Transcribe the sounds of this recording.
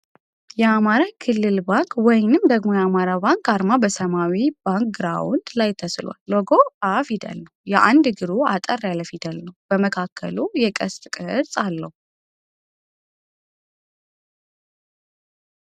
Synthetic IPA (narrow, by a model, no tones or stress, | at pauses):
jɛamaɾakʰɨlːɨlbaŋkʰwɔjnɨmd̪əɡmo̞jɛamaɾabaŋkaɾmabəsəmawib̥aŋkɡɨɾa̰wʊnd̪lajt̪ʰəslwa̰lːɔɡo̞afid̪ə̰lːəwujɛʔa̰nd̪ɡɨɾuat̪ʼərːjaləfid̪əlːəhubəməkʰakʰːə̰lujɛkʼəst̪ʼkʼɨɨɾsʼalːəhu